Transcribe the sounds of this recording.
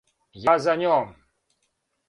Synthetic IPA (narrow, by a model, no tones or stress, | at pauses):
jazanʲom